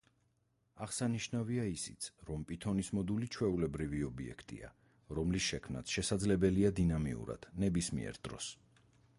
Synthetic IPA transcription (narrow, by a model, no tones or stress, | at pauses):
aʁsaniʃnaviaisit̪sʰɾɔmpʼit̪ʰɔnismɔd̪ulit͡ʃʰwɛulɛbɾiviɔbiɛ̰kʰt̪ʼḭa̰ | ɾɔmlisʃɛkʰmnat̪ʰʃɛsad̪zlɛbɛliad̪inamḭṵɾa̰d̪̥nɛbismḭɛ̰ɾd̪ɾɔ̰s